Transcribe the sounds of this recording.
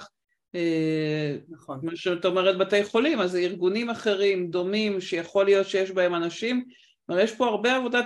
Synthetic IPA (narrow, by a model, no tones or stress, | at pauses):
e | naχonmaʃat̪aomeʁet̪̚bat̪ejχo̞limaziʁɡunimaχe̞ʁimd̪o̞mimʃe̞jaχo̞lijo̞t̪ʃejeʃbae̞manaʃim | maʁjeʃpo̞aʁbe̞avo̞d̪a